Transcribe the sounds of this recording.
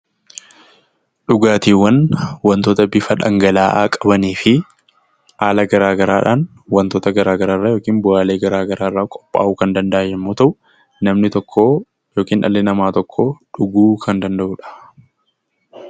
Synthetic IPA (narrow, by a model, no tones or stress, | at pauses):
ᶑʊɡaːt̪iːwːɐnwɐnt̪oːt̪ɐbɪfɐᶑɐŋɡɐlaːʔa̰ːkʼɐbɐniːfɪ | aːlɐɡɐɾaːɡɐɾaːᶑaːn | wɐnt̪oːt̪ɐɡɐɾaːɡɐɾaːrːaːjoːkiːnbʊaːle̞ːɡɐɾaːɡɐɾaːrːaːkʼɔ̥pʼːa̰ːʔuːkɐnd̪ɐnd̪ɐʔaːjɛmːoːt̪ɐʔʊ | nɐmnɪt̪ɔkʰːoː | joːkiːnʔɐ̰lːɛnɐmaːt̪ɔkʰːoːᶑʊɡuːkʰɐnd̪ɐnd̪ɐʔuːᶑɐ̥